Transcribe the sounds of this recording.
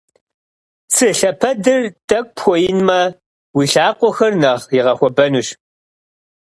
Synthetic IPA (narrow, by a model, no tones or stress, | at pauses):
t͡sʰɨɬɐpʰɐdɨrtʼɐk̚ʷpʰxʷɔjɪnmɐ | wiːɬaːqʷɔxɐrnɐʁjɪʁɐxʷɔbɐnuɕ